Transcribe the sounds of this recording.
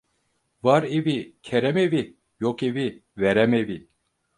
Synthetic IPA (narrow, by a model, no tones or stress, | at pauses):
vaɾevicʰeɾɛmevi | jokeviveɾɛmevi